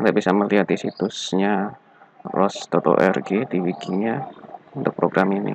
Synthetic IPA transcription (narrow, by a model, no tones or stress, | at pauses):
d̪abisaməliɦat̪isit̪ʊsɲa | rɔst̪ɔt̪o̰ʔɛrɡediwiɡiɲaunt̪ʊk̚pɾoɡɾaminḭ